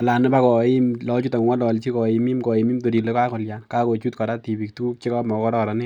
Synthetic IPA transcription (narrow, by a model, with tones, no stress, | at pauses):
a˨la˨nɪ˦pa˦kɔ˨ɪ˦mlɔ˦t͡ʃu˦ta˨ŋ˨ŋɔ˦lɔ˨lt͡ʃi˦kɔ˨i˨mi˦mkɔ˨ɪ˨mi˦mto˨di˨le˦ka˦kɔ˨lja˨nka˦ko˨t͡ʃu˦tkɔ˨ɾa˦ti˨bi˨k̚tu˦u˦k̚t͡ʃe˦kɔ˦mɔ˨kɔ˦ɾɔ˦ɾa˨nɪ˦